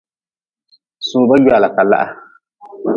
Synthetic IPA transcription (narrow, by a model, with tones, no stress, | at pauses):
sũː˨ba˦jaː˨la˨ka˨la̰˦ʔa˨